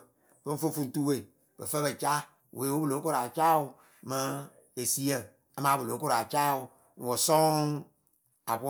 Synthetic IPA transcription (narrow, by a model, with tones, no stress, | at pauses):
b̥ə˦ɱ̩˦fo˦fu˧n˦tu˦we˨ | bə˨fə˦bə˨t͡ʃa˦ | wʔeː˨˦wu˦bɨ˦lo˨˦ko˦ɾa˨t͡ʃa˦u˦˧ | mə̃˨˦ | e˨si˦ə˨ | a˦mãː˨˦bɨ˨lo˨˦ko˦ɾa˨t͡ʃa˦u˨ | wo˨sɔ̃˦ | a˨p